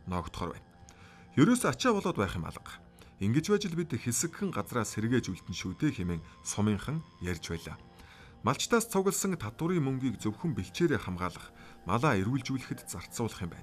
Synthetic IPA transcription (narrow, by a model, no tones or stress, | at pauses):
nɔːkt̪χɔːrwæ̰ːn | jɵɾoːsat͡ɕaːpɔɮʊːt̪pæːχɪ̆ma̰ɮə̆q | iŋɡɘ̆t͡ɕpæːt͡ɕɪ̆ɮpit̪xesɘ̆kxɘ̆ŋɢat͡sraːseɾɣeːt͡ɕujɮt̪ɘ̆nʃuːt̪ʰeːxemeːŋsʊmiːŋχə̆ŋjærʲt͡ɕpæːɮa̰ː | maɬt͡ɕt̪ʰaːst͡sʰʊɣə̆ɮsə̆ŋt̪ʰat̪ʊ̆ɾiːŋmɵŋɡʲiːkt͡sɵwxɵ̆mpeɬt͡ɕeːɾeːχamʁaːɮə̆χ | ma̰ɮaːerɣɘ̆ɮt͡ɕuːɮɘ̆xɘ̆t̪t͡sar̥t̪sʊːɮə̆χiːmpæ̰ːn